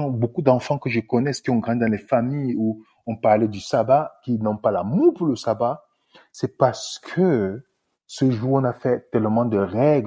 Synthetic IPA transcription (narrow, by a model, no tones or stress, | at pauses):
bokud̪ɑ̃fɑ̃kəʒəkɔnɛsə̥kʲiɔ̃ŋɡʁɑ̃d̪id̪ɑ̃lefamiju | ɔ̃paʁlɛd̪ysabakinɔ̃palamupuʁləsaba | sɛpaʁsə̥kʰə | səʒuɔ̃nafɛt̪ɛlmɑ̃d̪əʁɛɡl